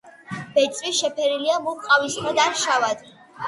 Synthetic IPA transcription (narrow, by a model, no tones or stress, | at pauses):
b̥ɛt̪sʼwiʃɛpʰɛɾiliamuqʼavisχad̪aɾʃavad̪̥